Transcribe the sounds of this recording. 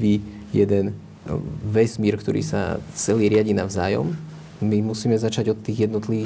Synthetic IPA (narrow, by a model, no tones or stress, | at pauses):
ʋi | jɛd̪ɛn | ʋɛsmiɛɾkt̪ɔɾḭːsa̰t͡sɛliːɾɪaɟinavzaːjɔ̰m | mimusiːmɛzat͡ʃaɟɔt̪ːiːɣjɛd̪nɔt̪liʋiː